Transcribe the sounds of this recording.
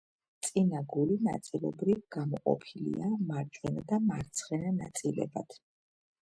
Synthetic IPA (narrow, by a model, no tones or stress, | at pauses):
t̪sʼinaɡulina̰t̪sʼilˠɔbɾivɡamɔqʼɔ̰pʰilḭamaɾt͡ʃʼwɛnad̪amaɾt̪sʰχɛnana̰t̪sʼilɛ̰bad̪̥ʰ